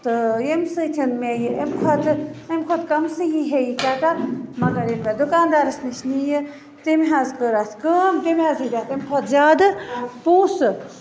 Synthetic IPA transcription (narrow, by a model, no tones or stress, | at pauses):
t̪ɨjemsɨt̪ʲʰɐnmejiemkʰot̪ʰemkʰot̪ʰkɐmsɨjiɦejikʲaːt̪amɐɡɐɾemed̪ʊkaːnd̪aːɾɐsnɨʃnijɨ | t̪emɦazkəɾat̪ʰkəmt̪imɦaːzidʲaːt̪emkʰot̪ʰzʲaːd̪ɨpuːsɨ